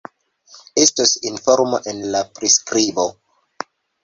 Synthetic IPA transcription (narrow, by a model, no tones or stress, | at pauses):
estosinfoɾmoʔenlapɾiskɾibo